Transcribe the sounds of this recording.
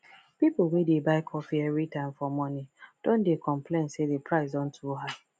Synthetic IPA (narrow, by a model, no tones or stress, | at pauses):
pipl̩wedebaɪkʰɔfiɛvɾitãɪ̃mfɔmɔnid̥õndekʰɔ̃mplẽnsedepʰɹaɪzɔ̃n̩tʰuɦa